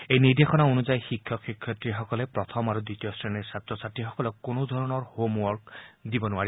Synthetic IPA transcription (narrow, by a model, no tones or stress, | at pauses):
ejnid̪exɔnaonuzajxikʰːjɔkikʰːjɔtɹixɔkɔlɛpɹɔt̪ʰɔmaɹud̪itijɔsɹɛnɛsat̪ɹɔsatːixɔkɔlɔkkːonod̪ʱɔɹɔnɔɹhomwɔɹkd̪ibɔnuai